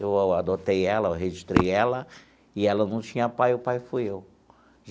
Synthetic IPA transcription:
ewawad̪ot̪ejɛlɐewɦeʒiʃt̪ɾejɛlɐ | ɪɛlɐnɐ̃w̃t͡ʃĩɲɐpajʊpajfujew

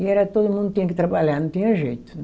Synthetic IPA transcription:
iɛɾɐt̪od̪umũnd̪ut̪iɲɐ̃kɪt̪ɾɐbaʎaɾnɐ̃t̪iɲɐʒejt̪ʊ̥

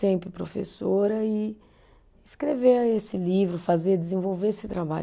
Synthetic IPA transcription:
ẽpɾɪpɾofḛsoɾɐɪ | ɪskɾeveesɪlivɾʊfazeɾd͡ʒɪzẽvowveesɪt̪ɾaba̰ʎ

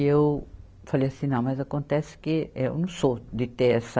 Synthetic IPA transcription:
ew | falejɐsĩnɐ̃w̃mɐzɐkõnt̪ɛsɪ̥kɪewnɐ̃sod̪ɪt̪eɛsɐ

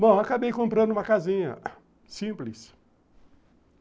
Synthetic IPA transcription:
bõw̃akabejkõmpɾɐ̃nd̪ʊũmɐkazĩɲɐ̰ | sĩplɪs

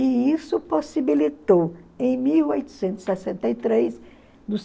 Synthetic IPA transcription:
ɪisʊposibilit̪owẽj̃miwojt̪ʊ̥sẽnt̪ʊ̥z̥sɛsẽnt̪ɐjt̪ɾejs | nʊs

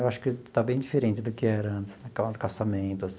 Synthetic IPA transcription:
ewaʃʊ̥kɪt̪abẽj̃d͡ʒifeɾẽnt͡ʃɪd̪ʊkɪɛɾɐɐ̃nt̪ɪ̥znɛkad̪ʊkasamẽnt̪ʊasĩ

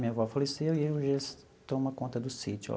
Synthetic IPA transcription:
mĩɐvɔfalesewiewʒes | t̪õmɐkõnt̪ɐd̪ʊsit͡ʃṵ

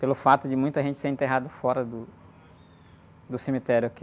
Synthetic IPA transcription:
pelʊfat̪ʊd͡ʒɪmũj̃t̪ʊɐʒẽnt͡ʃɪ̥seɾẽnt̪eɦad̪ʊfɔɾɐd̪ʊ | d̪ʊsemit̪ɛɾʊake

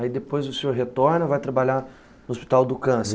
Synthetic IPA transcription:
aid̪epojzʊsowɦet̪oɾnɐvajt̪ɾabaʎa | nʊospi̥t̪awd̪ʊkɐ̃se

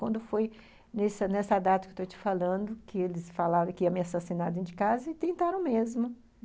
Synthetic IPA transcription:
wɐ̃nd̪ʊfoj | nesɐnɛsad̪at̪ɐkewt̪ot͡ʃi̥falɐ̃d̪ʊkɪelɪsfalaɾɐ̃kɪiɐ̃mɪasasinad̪ẽd͡ʒɪkazɐɪt̪ẽnt̪aɾɐ̃w̃mezmʊ

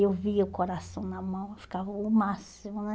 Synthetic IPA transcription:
ewviɐʊkoɾasɐ̃w̃nɐmɐ̃w̃fi̥kavɐʊmasimʊnɛ

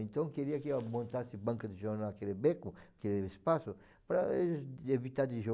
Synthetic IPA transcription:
ẽnt̪ɐ̃w̃keɾiɐkmõnt̪asɪbɐ̃ŋkɐd̪ɪʒoɾnakelebɛkʊakeleespasʊ | pɾɐḛzevit̪aɾd̪ɪʒo

